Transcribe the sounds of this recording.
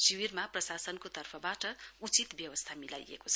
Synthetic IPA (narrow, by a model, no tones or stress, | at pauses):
siwirmaprʌsasʌnkot̪ʌrpʰʌbaʈʌut͡sit̪bjʌwʌst̪ʰamila̰jḛkot͡sʰʌ